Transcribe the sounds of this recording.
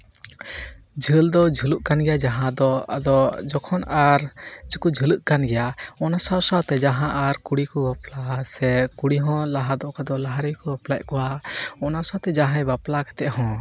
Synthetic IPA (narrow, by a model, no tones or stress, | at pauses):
d͡ʒʱəld̪ɔd͡ʒʱuluʔkanɡɛjad͡ʒaɦãd̪ɔa̰d̪ɔd͡ʒɔkʰɔnaɾd͡ʒikud͡ʒʱəluʔkanɡɛjaɔnasasawt̪ɛd͡ʒaɦãʔaɾkuɽikɔbaplasɛkuɽiɦɔ̃laɦad̪ɔʔkad̪ɔlaɦaɾɛjkɔbaplaʔ̚kɔwaɔnasawt̪ɛd͡ʒaɦãbaplakḁt̪ɛʔɦɔ̃